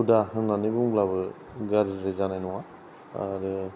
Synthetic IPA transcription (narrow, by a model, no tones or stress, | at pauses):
udaɦɯnlanibuŋblaβɯ | ɡaɾɾɯzanajnuwa | aɾɯ